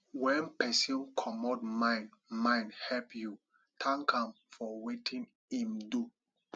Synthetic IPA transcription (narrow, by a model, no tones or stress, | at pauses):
wɛ̃npɛsĩnkʰɔmɔdmãɪ̃ndmãɪ̃ndhɛpju | tʰãŋkʰãm | fɔwetʰĩn | ĩmdu